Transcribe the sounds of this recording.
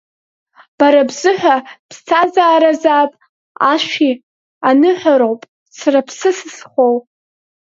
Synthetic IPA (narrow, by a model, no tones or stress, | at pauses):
b̥aɾabzɨħʷᶣapʰst͡sʰazaːɾazaːpʼ | a̰ʃʷi | anɨħʷaɾowpʼ | sʰarapʰsɨsɨsχʷow